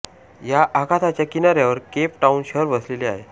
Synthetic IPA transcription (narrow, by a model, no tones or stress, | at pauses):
jaʔakat̪ʰat͡ɕjakinaɾjaʋəɾkep̚ʈaunɕəɾʋəsleleaɦe